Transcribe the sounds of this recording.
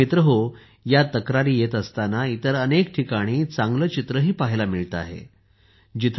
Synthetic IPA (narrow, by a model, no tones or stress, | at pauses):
it̪ɾəɦo | jat̪əkɾaɾiːjet̪əst̪anait̪əɾənekʈʰikaɽ̃iːt͡saŋɡlət͡ɕit̪ɾəɦiːpaɦilamiɭt̪a̰ɦḛ | d͡ʑit̪ʰ